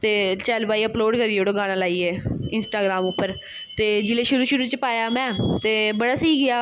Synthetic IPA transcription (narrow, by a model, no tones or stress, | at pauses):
t̪eːt͡ʃɛːlbaːiːəploːɖkəɾiːoːɽoːɡaːɽ̃ãːlaːiːeːɪnsʈaːɡɾaːmʊpːəɾ | t̪eːd͡ʒɪleːʃʊɾuːʃʊɾuːt͡ʃəpaːjaːmɛ̃ːt̪eːbəɽaːsəiːɡɪaː